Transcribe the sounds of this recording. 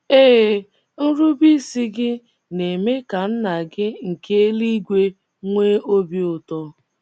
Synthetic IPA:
eː˦˨ | n̩˦ɾʊ˦bi˦si˦ɡɪ˦ | ne˨me˦ka˨n̩˦na˨ɡɪ˦ŋ̩˨ke˦li˦ɡʷe˦ | ŋʷe˦o˦bi˦ʊ˨tɔ˦

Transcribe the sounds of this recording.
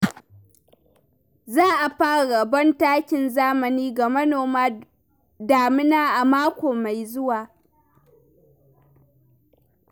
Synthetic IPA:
zaː˦ʔa˨ɸaː˦˨ɽa˨bɐ˦ntaː˦kʲɪ˨nzaː˦mɐ˨niː˦ɡa˨mɐ˦noː˨maː˦ | daː˨mɪ˦naː˦ʔa˨maː˦kʷoː˨ma˨jzʊ˦waː˨

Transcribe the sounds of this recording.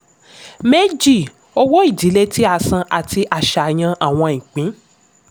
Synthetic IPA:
me˦d͡ʒi˦˨ | o˧wɔ˦i˦˨di˨˦le˦tʰi˦a˧˨sã˧ʔa˨ti˧ʔa˨ʃa˨j̃ã˧ʔa˦˨w̃ɔ̃˧ĩ˨k͡pĩ˨˦

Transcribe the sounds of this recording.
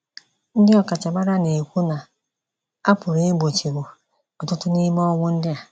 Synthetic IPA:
n̩˦dɪ˦ɔ˦˨ka˨t͡ʃa˨ma˦ɾa˦ne˨kʷu˦na˨ | a˦pʊ˨ɾe˦e˦ɡ͡bo˨t͡ʃi˨ɡu˨ | ɔ˨tʊ˦tʊ˦ni˦m˦ɔ˦ŋʷʊ˦n̩˦dɪ˦a˨

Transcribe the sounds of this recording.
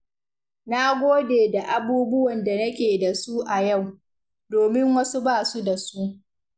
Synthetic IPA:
na˦ɡʷoː˦deː˨da˨ʔa˨buː˦bʊ˦wɐ˨nda˨nɐ˦kʲeː˨da˨su˦ʔa˨ja˦˨w | doː˨mɪ˦ŋwɐ˦su˦baː˦˨su˦da˨su˦ʔ

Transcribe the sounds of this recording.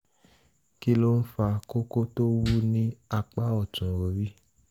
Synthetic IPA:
ki˦lo˦n̩˦fa˧ko˦ko˦to˦wu˦nĩ˦a˧k͡pa˦ɔ˨tũ˨ɾo˨ɾi˦

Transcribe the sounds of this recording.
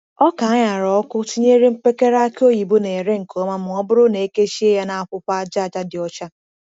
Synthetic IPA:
ɔ˦ka˨a˦ɲa˨ɾɔ˨˦kʊ˦ti˦ɲe˦ɾe˦m̩˦pe˦ke˦ɾa˦ko˦ji˨bu˦ne˨e˨ɾe˦ŋ̩˨ko˨˦ma˦mʊ˨ɔ˦bʊ˦ɾʊ˦ne˨e˦ke˦ʃi˦e˦ja˦na˦a˨kʷʊ˦pa˦d͡ʒa˦˨d͡ʒa˦dɪ˨ɔ˦t͡ʃa˦

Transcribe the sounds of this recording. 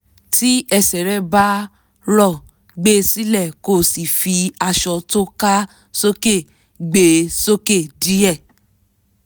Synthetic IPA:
ti˦ɛ˧sɛ˨ɾɛ˦ba˦ | lɔ˦˨ | ɡ͡be˦si˦lɛ˦˨ko˦˨si˨fi˧a˧ʃɔ˧to˦ka˦ | so˦ke˦˨ | ɡ͡be˧˨so˦ke˦˨di˨˦ɛ˦˨

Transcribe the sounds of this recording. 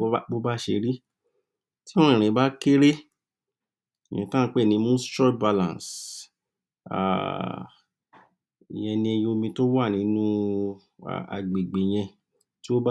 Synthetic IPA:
k͡po˦ba˦ʃe˧ɾi˦ | tĩ˦˨ɾ̃ĩ˨˦ba˦ke˦ɾe˦˨ | jɛ̰̃˨tã˦˧k͡pe˦˨nĩ˧˦mũ˦stɾɔ˦ba˧lã̰˨s | a̰˨ | i˨j̃ɛ̃˧nĩ˧e˧jo˧mĩ˧to˦wa˦˨nĩ˨˦nũ˦ | a̰˨a̰˨ɡ͡be˨ɡ͡be˨j̃ɛ̃˧ | ti˦o˦ba˦

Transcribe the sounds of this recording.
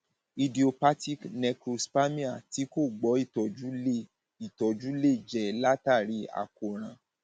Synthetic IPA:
i˧di˨o˧pa˦ti˦knɛ˧kɾo˧spa˦mĩ˦a˦˨ti˨˦ko˦˨ɡ͡bɔ˨˦i˦˨tɔ˨d͡ʒu˦ | i˨tɔ˨d͡ʒu˦le˦˨d͡ʒɛ˨la˦ta˦˨ɾi˨˦a̰˨ko˨ɾ̃ã˨˦

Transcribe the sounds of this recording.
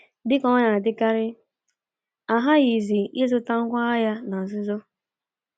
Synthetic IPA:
dɪ˦kɔ˦ɲa˨dɪ˦ka˦ɾɪ˦ | a˨ɦa˦ɣi˨zi˨ɪ˦zʊ˦ta˦ŋ̩˦kʷa˦a˦ja˦na˨n̩˨zɪ˦zɔ˦

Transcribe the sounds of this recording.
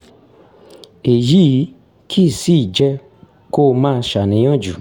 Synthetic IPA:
e˨ji˨˦i˨˦ | kʰi˦˨si˦˨d͡ʒɛ˧ | ko˦˨mãː˦˧ʃa˨nĩ˨˦j̃ɔ̃˦˨d͡ʒu˨

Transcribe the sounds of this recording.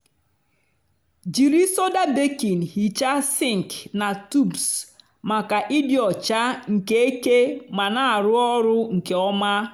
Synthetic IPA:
d͡ʒi˨ɾi˦so˦da˦be˦ki˨n˨hi˨t͡ʃa˦si˦˨ŋ˨kna˨tu˦bs | ma˨ka˨ʔi˦djɔ˨t͡ʃa˦ŋ̩˨ke˦e˦ke˦ma˨na˨ɾʊ˦ɔ˦ɾʊ˦ŋ̩˨ke˨ɔ˦ma˦

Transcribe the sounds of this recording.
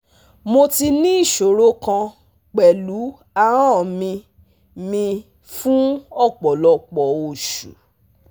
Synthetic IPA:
mo˧ti˧nĩ˦i˦˨ʃo˨ɾo˦kã˧ | k͡pɛ˨lu˨˦ | a˦˨ɾ̃ã˦˨mĩ˧ | mĩ˧ | fũ˦ɔ˦˨k͡pɔ˨lɔ˧˦k͡pɔ˨o˧˨ʃṵ˨

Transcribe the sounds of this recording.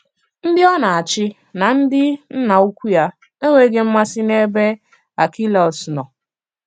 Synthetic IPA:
n̩˦dɪ˦ɔ˦na˨a˨t͡ʃɪ˦ | na˨n̩˦dɪ˦n̩˦na˨u˦kʷu˦ja˦ | e˦ŋʷe˨ɡe˦m̩˦ma˦sɪ˦ne˦be˦ | a˨ki˦lɔ˨snɔ˨

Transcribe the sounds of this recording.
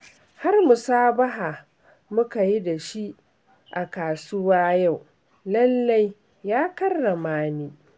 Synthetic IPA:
ha˦rmʊ˨saː˦bɐ˦ɦaː˨ | mʊ˦ka˨ji˦da˨ʃi˦ | ʔa˨kaː˨sʊ˦waː˦ja˦˨w | lɐ˦lːa˦j | jaː˦kɐ˦rːɐ˨maː˦niː˦

